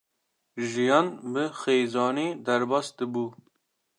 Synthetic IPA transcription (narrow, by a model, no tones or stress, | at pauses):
ʒijɑːnbɨxeːzɑːniːd̪ɐɾbɑːsd̪ɨbuː